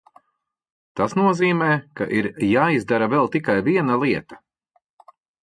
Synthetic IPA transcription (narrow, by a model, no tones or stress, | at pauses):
t̪asnuɔziːmɛːka̰ʔiɾjaːizd̪aɾavɛlˠt̪ikajviɛnɐlˠiɛt̪ḁ